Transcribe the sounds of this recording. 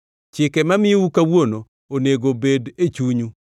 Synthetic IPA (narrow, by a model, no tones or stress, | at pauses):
t͡ʃɪkɛmamɪukawono | oneɡobedet͡ʃuɲu